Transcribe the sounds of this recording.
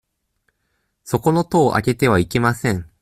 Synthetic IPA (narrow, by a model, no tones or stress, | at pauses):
so̞ko̞no̞t̪o̞ːʔa̰ke̞t̪e̞βaike̞masẽ̞ɴ